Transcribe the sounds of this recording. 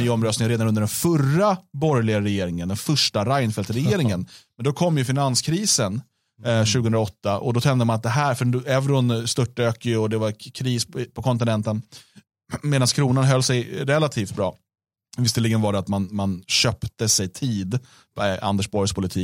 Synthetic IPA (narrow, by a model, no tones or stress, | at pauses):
yːɔmɾœstnɪŋɾeːd̪anɵnd̪əɖɾɛnfœrːabɔɾjlɪɡaɾɛjeːɾɪŋənd̪ɛnfœʂʈaɾajnfɛlt̪ɾɛjeːɾɪŋənmɛnd̪ɔkʰɔmːjɵfɪnanskʰɾiːsən | ɕʉ̟ɡəɵnɾaɔt̪ːaʔɔd̪ɔt̪ʰɛnd̪əmanat̪̚d̪ɛɦæːɾfœɛvɾʊnst̪ɵʈːaøːkəɔd̪ɛvaɾkʰɾiːspʰɔkʰɔnt̪̬ɪnɛnt̪ən | meːd̪anskʰɾuːnanɦœlːsɛjɾɛlːat̪ʰiːft̪̚bɾɑ̰ː | vɪst̪ːəlɪɡənvaɖɛat̪manmanɕœːpt̪əsɛjt̪ʰiːd̪ | pa̰nd̪ɛʂbɔɾjspʰʊlɪt̪ʰiː